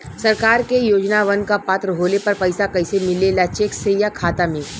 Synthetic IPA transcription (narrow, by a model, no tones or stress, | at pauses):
sɐɾkaːɾkejoːd͡ʒnaʋɐnkapaːt̪ɾəɦoːlepɐɾpɐɪsakɐɪsemɪlelat͡ʃeːksejakʰaːt̪ami